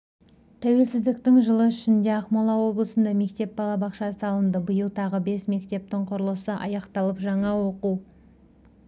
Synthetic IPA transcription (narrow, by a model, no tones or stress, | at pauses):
t̪ʰæwe̞lsɪzd̪ɪkt̪ɪŋʒəlˠəʏʃɪnd̪e̞ɑχmolˠɑwo̞blˠəsənd̪ɑme̞kt̪e̞p̚bɑlˠɑbɑqʃɑsəɑlˠənd̪əbəjəlˠt̪ʰɑʁəbe̞sme̞kt̪e̞p̚t̪ɪŋqʰʊɾəlˠəsəʔɑ̰jɑqt̪ɑlˠəpʒɑɴɑwo̞qu